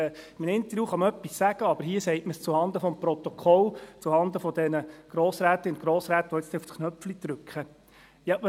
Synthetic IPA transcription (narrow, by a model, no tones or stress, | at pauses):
mənɪnt̪əɾjuːχɑmœpːissæɡ̥əɑbəɾhiːəsɛɪtməst͡suhɑnd̪əfɔmprɔt̪ɔkʰɔlt͡suhɑnd̪əfɔd̪ɛnəɡ̥ɾoːsɾæːt̪əʊnt̪ɡ̥ɾoːsɾæːt̪əʋɔɪt͡sst̪ɛuftkʰnœpflit̪ɾʏkχə | jɑ